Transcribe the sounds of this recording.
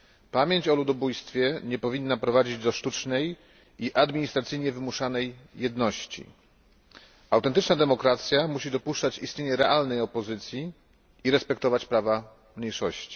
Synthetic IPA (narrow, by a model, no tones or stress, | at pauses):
pamʲjeɲt͡ɕɔlud̪ɔbujst̪fʲjɛɲɛpɔvʲinːapɾɔvad͡ʑid͡ʑd̪ɔʂt̪ut͡ʂnɛj | iʔad̪mʲiɲist̪ɾat̪sɘjɲɛvɘmuʂanɛjːɛd̪nɔɕt͡ɕḭ | awt̪ɛnt̪ɘt͡ʂnad̪ɛmɔkɾat̪sʲjamuɕid̪ɔpuʂt͡ʂat͡ɕist̪ɲeɲɛɾɛʔalnɛjɔpɔzɘt̪sʲji | iɾɛspɛkt̪ɔvat͡ɕpɾava | mɲejʂɔɕt͡ɕi̥